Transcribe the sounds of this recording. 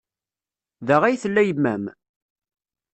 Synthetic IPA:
ðəʁæjθəlːæjəmːæm

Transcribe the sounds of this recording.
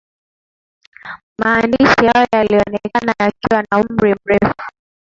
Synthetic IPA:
maːndiʃihajɔɔjaliɔnɛkanajakiwanaum̩ɾim̩ɾɛfu̥

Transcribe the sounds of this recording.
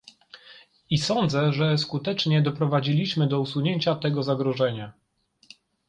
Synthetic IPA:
isɔnd̪zɛʐɛskut̪ɛt͡ʂɲɛd̪ɔpɾɔvad͡ʑilʲiɕmɘd̪ɔusuɲeɲt͡ɕat̪ɛɡɔzaɡɾɔʐɛɲa

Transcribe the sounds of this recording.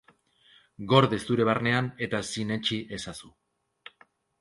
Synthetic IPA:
ɡo̞ɾðest̪uɾe̞βarne̞ane̞t̪asine̞t͡ʃiʔe̞sasu

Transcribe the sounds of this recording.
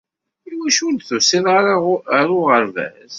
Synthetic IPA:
iwæʃunθʊsinɾɾʊʁəɾvæ̰z

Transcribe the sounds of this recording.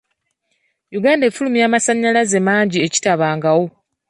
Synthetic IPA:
juɡaːndeːfulumjaːmasaɲːalaze̞maːɲɟie̞ci̥taβaːŋɡawo̞

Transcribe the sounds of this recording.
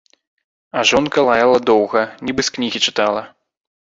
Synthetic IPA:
ɐʐɔnkɐlˠajalˠɐd̪ɔwɣɐnʲibɨsknʲiɣʲit͡ʂɨ̥t̪alˠɐ

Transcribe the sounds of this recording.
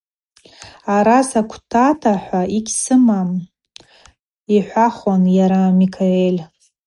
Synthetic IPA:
aɾasakʷʰtʰatʰaħʷaiɡʲsɨmam | iħʷaχonjaɾaːmikʰaelʲ

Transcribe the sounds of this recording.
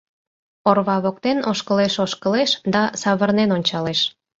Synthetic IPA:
orβɑβok̚t̪enoʃkəleʃoʃkəleʃd̪ɑsɑβərnenonʲt͡ɕɑleʃ

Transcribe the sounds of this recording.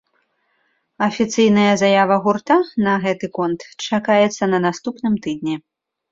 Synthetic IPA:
ɐfʲit̪sɨjn̪ɐjɐzajavɐɣurt̪anɐɣɛt̪ɨkɔnt̪t͡ʂakajɛt̪sːɐnɐnast̪upnɨmt̪ɨd̪nʲɛ

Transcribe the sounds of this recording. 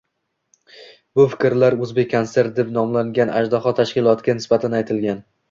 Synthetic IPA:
bʊfɪ̥kʲɾlaɾɵzbekʲʰːonse̞ɾt̪̚d̪epnɒmlaŋɡʲana̰d͡ʒd̪ɒχɒt̪ʰaʃkʲɪlˠɒt̪ɡʲanɪsbat̪ʰanajt̪ʰɪlɡʲan

